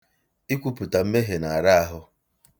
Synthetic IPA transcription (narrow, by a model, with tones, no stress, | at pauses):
i˦kʷu˦pʊ˨ta˨m̩˦me˦ɦe˨na˨a˨ɾa˦a˦ɦʊ˦